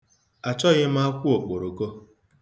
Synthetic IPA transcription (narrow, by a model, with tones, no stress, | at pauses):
a˨t͡ʃɔ˦ɣɪ˦m̩˦a˦kʷu˦o˨k͡po˨ɾo˨ko˦